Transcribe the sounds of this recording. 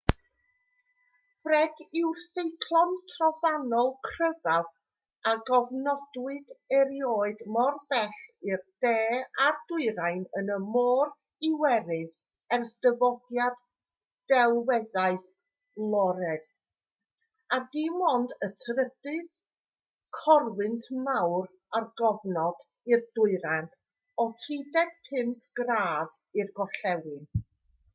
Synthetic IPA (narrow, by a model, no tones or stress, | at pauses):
frɛɡɪwrθejkʰlˠɔntʰrɔvanɔlˠkʰrəvað | aɡɔvnɔd̥wɨdəɾjoːɨdmɔrb̥ɛɬɪrd̥ɛːard̥ʊɨɾajnənəmɔːr | ɪwɛɾɨð | ɛrsdəvɔdjad | d̥ɛlˠwɛðaɨθ | lˠɔɾɛd̥̚ | adimɔndətʰrədɨð | kʰɔrwɨntʰmawr | arɡɔvnɔd̥ | irdʊɨɾan | ɔtʰidɛd̥̚pʰɪmpʰɡ̥raːð | irɡɔɬɛwɪn